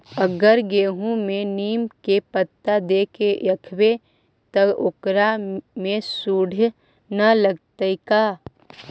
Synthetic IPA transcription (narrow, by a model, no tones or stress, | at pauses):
əɡəɾɡeːɦũmẽniːmkepət̪ːad̪eːkeɐkʰwe | t̪ɐokɾamẽsuːɽʱ | nələɡ̚t̪əikaː